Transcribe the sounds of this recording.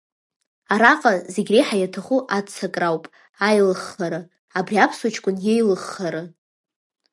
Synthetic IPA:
aɾaqʼazeɡʲrejħajatʰaχuʔat͡sʰakʼrawpʼ | ajlɨχːaɾɨ | abriapʰswat͡ʃʰʼkʷʼʊnjejlɨχːaɾɨ

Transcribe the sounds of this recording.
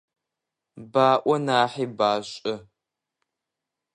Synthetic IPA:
baːʔʷɔnaːħiːbaːɕʼɪ

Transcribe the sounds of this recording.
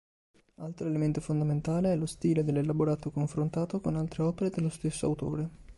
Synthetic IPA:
alt̪ɾoelement̪ofond̪ament̪aːleɛlost̪iːled̪elːelaboɾaːt̪okoɱfɾont̪aːt̪okonalt̪ɾeɔːpeɾed̪elːost̪esːoa̰wt̪o̰ːɾe

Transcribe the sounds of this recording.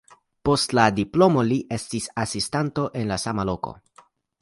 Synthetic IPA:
po̞stladiplo̞mo̞liʔe̞stisasistanto̞ʔe̞nlasamalo̞ko̰

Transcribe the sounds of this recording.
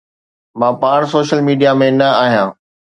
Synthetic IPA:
mãːpaːɽ̃soːʃəlmiːɖijamẽnɐaːɦijãː

